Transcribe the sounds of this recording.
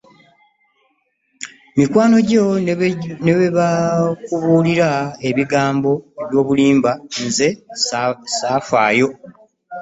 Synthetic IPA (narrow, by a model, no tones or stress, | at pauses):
mikwaːno̞ɟo̞ | neβeβakuβuːliɾae̞βiɡaːmbo̞βjo̞ːβuliːmbanze̞ | saːfa̰ːjo̞